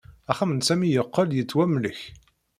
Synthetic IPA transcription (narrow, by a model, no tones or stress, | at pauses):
æχæmənsæmijəqːəljət͡sːwæmləç